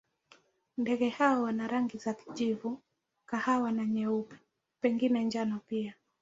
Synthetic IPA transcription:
ndɛɡɛhaɔwanaɾaŋɡizaki̥ʄivu | kahawanaɲɛupi̥ | pɛŋɡinɛnd͡ʒanɔpia

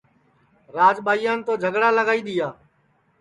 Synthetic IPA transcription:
ɾaːd͡ʒɓaːijãːnt̪oːd͡ʒʱəɡɽaːləɡaːiːɗ̪iːaː

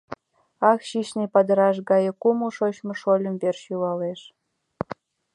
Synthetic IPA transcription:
ɑkʃiʃnipɑd̪ə̆ɾɑʃ̬ɣɑjĕkumuʃot͡ɕmŏʃolʲə̆mberʃjulɑleʃ

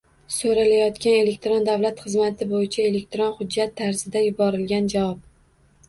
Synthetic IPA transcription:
soɾalajɒt̪kʲane̞le̞kʲt̪ɾond̪avlat̪χɨzmat̪ʰɪbojɪt͡ʃʰae̞le̞k̚ʲt̪ɾɒnχʊd͡ʒːat̪ʰːaɾz̥ɪd̪ajʊbɒɾɪlɡʲand͡ʒavɒp̚

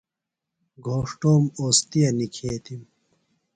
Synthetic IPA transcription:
ɡʱoːʂʈoːmoːst̪ijɐnikʰeːt̪im

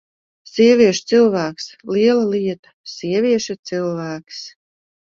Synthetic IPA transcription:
sʲiɛvʲiɛʃt̪sɨlˠvæːksliɛlˠaliɛt̪ḁsiɛvʲiɛʃat̪sɨlˠvæːks

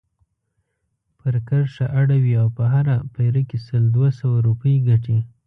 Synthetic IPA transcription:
pəɾkaɾʃaʔaɽawiawpəɦaɾapajɾəkesəld̪wasawaɾupəjɡaʈi

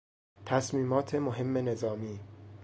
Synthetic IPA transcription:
t̪ʰæsmiːmɒːt̪ʰemoɦe̞mːe̞ne̞zɒːmiː

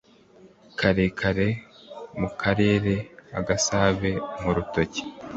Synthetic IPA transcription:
kʰaɾekʰaɾe̞mukʰaɾe̞ːɾeaɡasaːβe̞muɾutoci̥

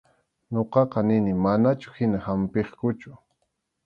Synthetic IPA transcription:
ɲoqɑqɑnɪnɪmanat͡ʃʊ̥hɪnahampeχkʊt͡ʃʊ̥

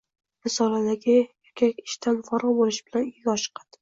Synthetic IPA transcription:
mɪsɒlad̪aɡʲɪjakʲʰakʲɪ̥ʃt̪ʰanfɒɾɒbolɪʃb̥ɪlaniɡʲɒʃqʰɑd̪̥

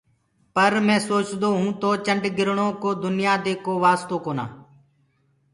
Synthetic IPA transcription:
pəɾmɛ̃ːsoːt͡ʃd̪oːɦũːt̪oːt͡ʃəɳɖɡɪɾɳõːkoːd̪ʊnɪjaːd̪eːkoːʋaːst̪oːkoːna̰ː

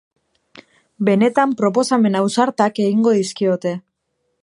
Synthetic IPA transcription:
be̞ne̞t̪ampɾo̞p̬o̞same̞nawsaɾt̪ake̞ɣiŋɡo̞ðiskio̞t̪e̞

